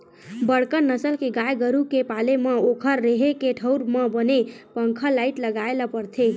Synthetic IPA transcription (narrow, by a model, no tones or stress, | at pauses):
bəɽkənəsəlkeɡajɡəɾukepalemə̃okʰəɾːeɦekeʈʰəʊɾməbənepəŋkʰəlaɪʈləɡaelapəɾt̪ʰe